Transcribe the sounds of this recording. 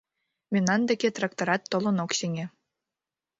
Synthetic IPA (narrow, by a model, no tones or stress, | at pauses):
mʲinɑnd̪ekʲet̪rɑkt̪oɾɑt̪ːolˠɤ̆noksʲeŋʲe